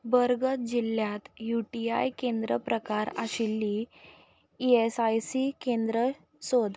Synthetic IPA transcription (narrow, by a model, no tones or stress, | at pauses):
bəɾɡət̪̚d͡ʑilːjat̪juʈiajkend̪ɾəpɾəkaɾa̰ɕilːi | iesajsikend̪ɾə | sod̪